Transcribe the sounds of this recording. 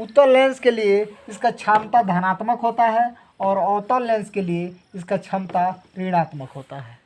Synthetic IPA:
ʊt̪ːəɾlɛ̃ːnskelieɪskat͡ʃʰaːmt̪ad̪ʱənaːt̪məkɦoːt̪aɦɛ | ɔːɾɔːt̪əlɛ̃ːnskelieɪskat͡ʃʰɐmt̪aɾiːɽ̃aːt̪məkɦoːt̪aɦɛː

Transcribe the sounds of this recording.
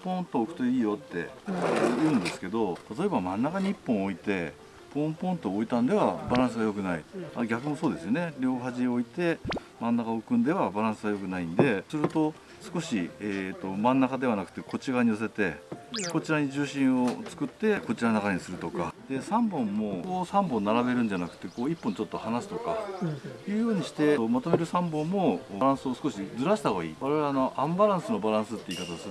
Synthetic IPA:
põ̞nt̪oːkɯ̟̥t̪o̞iːjo̞t̪ːe̞̰jɯɯ̟̃nd̪e̞sɨ̥ke̞d̪o̞t̪at̪o̞e̞bamãnːakaɲ̟iipːõ̞ɰ̃o̞it̪e̞ | põ̞mpõ̞nt̪o̞ːit̪ãnd̪e̞βabaɾãɰ̃sɨɡajo̞k̬ɯ̟naḭa̰ɡʲakɯ̟mo̞so̞ːd̪e̞sɨjone̞ɾʲo̞ːɦaʑio̞it̪e̞ | mãnːakaokɯ̟̃nd̪e̞β̞abaɾãɰ̃sɨɡajo̞kɯ̟naĩnd̪e̞sɨɾɯ̟t̪o̞ | sɨ̥ko̞ɕiet̪ːo̞mãnːakad̪e̞β̞anakɯ̟̥t̪e̞kʰo̞t͡ɕiɡaɲ̟ios̬e̞t̪e̞ko̞t͡ɕiɾaɲ̟id͡ʑɨːɕĩɰ̃o̞t͡sɨ̥kɯ̟t̪ːe̞ko̞t͡ɕiɾanakaɲ̟isɨɾɯ̟t̪o̞kad̪e̞sãmbõ̞mːo̞oːsãmbõ̞nːaɾabe̞ɾɯ̟nd͡ʑanakɯ̟̥t̪e̞koːipːõɲt͡ɕo̞t̪ːo̞hanasɨ̥t̪o̞ka̰ | ɯːjo̞ːɲ̟iɕi̥t̪e̞omat̪o̞me̞ɾɯ̟sãmbõ̞mːo̞ɾãɰ̃sɨo̞sɨ̥ko̞ɕid͡zɨɾaɕi̥t̪aɡoḭːβaɾe̞βeno̞ʔãmbaɾãɰ̃sɨno̞baɾãɰ̃sɨt̪ːe̞iːkat̪as

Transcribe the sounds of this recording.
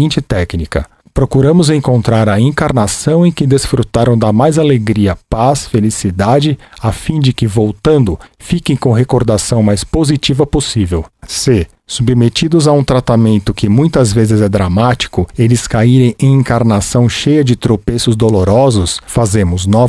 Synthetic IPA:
ĩnt͡ʃɪt̪ɛknikɐ̰ | pɾokuɾɐ̃mʊzẽŋkõnt̪ɾaɾɐĩkaɾnasɐ̃w̃ẽj̃kɪd̪esfɾut̪aɾɐ̃w̃d̪ɐmajzaleɡɾiɐpasfelisid̪ad͡ʒɪafĩd͡ʒɪkɪvowt̪ɐ̃nd̪ʊfikẽj̃kõw̃ɦekoɾd̪asɐ̃w̃majspozit͡ʃivɐposivewse | submet͡ʃid̪ʊzaũt̪ɾat̪amẽnt̪ʊkɪmũj̃t̪ɐzvezɪzɛd̪ɾamat͡ʃi̥kʊelɪskaiɾẽj̃ẽj̃ĩkaɾnasɐ̃w̃ʃejɐd͡ʒɪt̪ɾopesʊzd̪oloɾɔzʊsfazẽmʊznɔ

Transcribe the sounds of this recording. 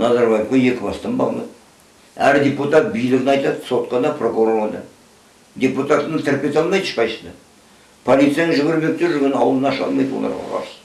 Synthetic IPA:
nɑzɑɾbɑjeqɑje̞kʲɪbɑst̪ɑmbɑ̰lˠmɑ̰d̪ | æɾd̪ʲe̞put̪ɑt̪̚bijlɪɡʲɪnɑjt̪ɑd̪so̞t̪̚qɑd̪ɑpʰro̞kuɾoʁɑd̪ɑ̰ | d̪ʲe̞put̪at̪ənət̪ʰɪɾpʲe̞t̪ɑlˠmɑjd̪ə̥ʃpɑjʃəd̪ə | pʰolˠit̪sijanəŋʒɪbɪɾbe̞k̚t̪e̞ɾʒʏɾɡʲe̞nɪɑwəlˠənɑʃɑ̰lˠmɑjd̪wolˠɑ̰ɾʁɑ̰ʁɑ̰ɾs

